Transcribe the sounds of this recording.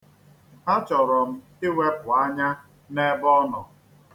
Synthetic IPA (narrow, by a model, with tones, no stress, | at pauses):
a˦t͡ʃɔ˨ɾɔ˨m̩˦ | ɪ˦we˦pʊ˨a˦ɲa˦ | ne˦bɔ˦nɔ˨